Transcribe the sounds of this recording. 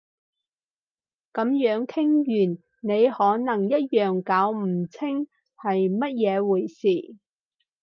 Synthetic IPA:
kɐ˨˧˥mjœː˨˥ŋkʰɪ˥ŋjyː˨˩n | ne˨˧jhɔː˨˥nɐ˨˩ŋjɐ˥t̚jœː˨˩ŋkaː˨˥wm̩˨˩t͡sʰɪ˥ŋ | hɐ˨jmɐ˥t̚jɛː˨˧wuː˨˩jsiː˨˩

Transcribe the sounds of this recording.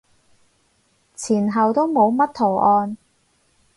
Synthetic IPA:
t͡sʰiː˨˩nɦɐ˨wt̪o˥wmo˨˧wmɐ˥t̚t̪ʰo˨˩wʔɔː˧n

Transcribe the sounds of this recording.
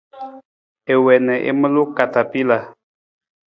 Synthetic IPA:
e˨wɛ˨nɛ˨ʔḛ˦mə˦lu˦ka˨ta˨pi˦la˨

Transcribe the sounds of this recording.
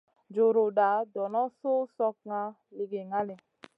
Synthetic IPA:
d͡ʒo˨ɾo˨ɗa˨˦dɔ˨nɔ˦so˦sɔ˧k̚ŋa˧ | li˧ɡe˨ŋa˦le˨

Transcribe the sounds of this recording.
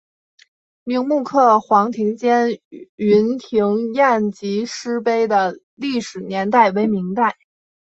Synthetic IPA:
mi˧˥ŋmu˥˧kʰɤ˥˩xwɑ˧˥ŋt̪ʰi˧˥ŋt͡ɕjɛ˥ny˧˥nt̪ʰi˧˥ŋja˥˩nt͡ɕi˧˥ʂɻ̩˥pe˥ɪd̪ə˨ | li˥˩ʂɻ̩˨˩njɛ˧˥nt̪a˥˩ɪwe˧˥ɪmi˧˥ŋt̪a˥˩ɪ

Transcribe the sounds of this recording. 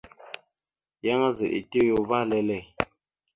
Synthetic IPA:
ja˦ŋa˦zḛ˨ʔḭ˨te˦jo˨va˦lɛ˦lɛ˦˨

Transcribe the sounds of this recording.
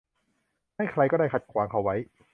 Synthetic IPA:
haː˥˩jkʰɾa˧jkɔː˥˩daː˥˩kʰa˨˩t̪̚kʰwaː˨˦ŋkʰa˨˩wa˦˥j

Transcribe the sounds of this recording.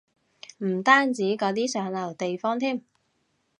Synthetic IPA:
m̩˨˩t̪aː˥nt͡siː˨˥kɔː˨˥t̪iː˥sœː˨˥ŋlɐ˨˩wt̪e˨jfɔː˥ŋt̪ʰiː˥˩m

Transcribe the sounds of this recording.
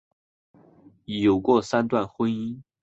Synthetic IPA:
i˨˩jo˨˩ʊkwɔ˥˩sa˥nt̪̬wa˥˨nxwə˥ni˥n

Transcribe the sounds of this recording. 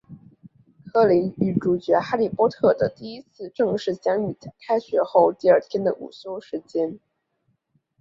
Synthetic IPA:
kʰɤ˥˩li˧˥ny˧˩ʈ͡ʂu˨˩t͡ɕɥɛ˧˥xa˥li˨˩pwɔ˥t̪ʰɤ˥˩d̪ə˩t̪i˥˩i˥t͡sʰɹ̩˥˧ʈ͡ʂɤ˥˧ŋʂɻ̩˥˩t͡ɕjɑ˥ŋy˥˩k̪ʰa˥ɪɕɥɛ˧˥xo˥˧ʊt̪i˥˧ə˞˥˩t̪ʰjɛ˥nd̪ə˨ʔṵ˨˩so˥ʊʂɻ̩˧˥t͡ɕjɛ˥n

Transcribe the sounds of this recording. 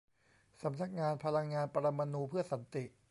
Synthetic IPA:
sa˩˦mna˨˩k̚ŋaː˧npʰa˧la˧ŋːaː˧npʰa˧ɾa˧mːa˧nuː˧pʰɯ˥˩ɐsa˩˦nt̪i˨˩ʔ

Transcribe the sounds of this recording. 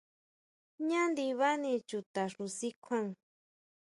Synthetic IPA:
ɲã˦nd̪i˧βa˦nĩ˧t͡ʃu˨t̪a˨ɾu˧si˦kʷʰa˦˧ŋ

